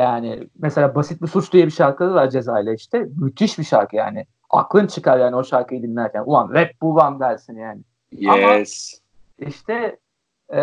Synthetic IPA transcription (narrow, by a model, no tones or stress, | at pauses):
jaːnɪ̰mese̞lʲaːbasit̪̚bisut͡ʃd̪ijɛbiʃaɾkʰad̪ɯlˠaɾd͡ʒe̞zaːjlʲˠaiʃt̪ʰɛmyt̪ʰiʃbiʃaɾkɯja̰ːnɪ | a̰klˠɯnt͡ʃʰɯkʰaɾjaːnio̞ʃaɾkɯjid̪inːæɾcʰænuvanvɛp̚buvand̪ælʲsinjaːnɪ | jaɛas | iʃt̪ʰɛ